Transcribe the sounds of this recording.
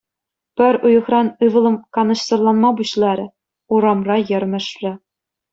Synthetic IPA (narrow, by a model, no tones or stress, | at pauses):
pɘ̆ɾʲujɤ̆χrɑnɯvɤ̆lˠɤ̆mkɑnɤ̆ɕsɤ̆rlˠɑnmɑbuɕlˠɑɾʲɘ̆ | uɾɑmrɑjɘ̆rʲmɘ̆ʂrʲɘ̆